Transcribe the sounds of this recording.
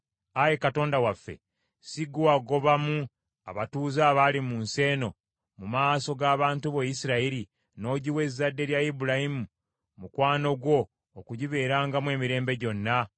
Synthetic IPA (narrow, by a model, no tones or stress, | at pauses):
ajekato̞ːndawafːe̞̰ | siɡuaɡo̞βamu | a̰βatuːzaːβalimunse̞ːno̞ | mumaːso̞ɡaːβaːntuβejisiɾaiɾi | no̞ɟiwe̞zːadːe̞ɾjajibulahimu | mukwaːno̞ɡwo̞ː | kuɟiβe̞ːɾaːŋɡamwe̞ːmiɾe̞ːmbe̞ɟo̞nːa